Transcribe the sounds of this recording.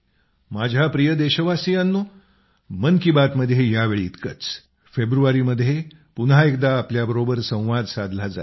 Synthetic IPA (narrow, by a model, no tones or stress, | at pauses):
mad͡ʑʱapɾijəd̪eɕəʋasijanːuː | mənkibat̪məd̪ʱːjejaʋeɭiːt̪kət͡s | febɾuʋaɾiməd̪ʱːje | punɦaek̚d̪aːpljabəɾobəɾsə̃w̃ʋad̪sad̪ʱlad͡za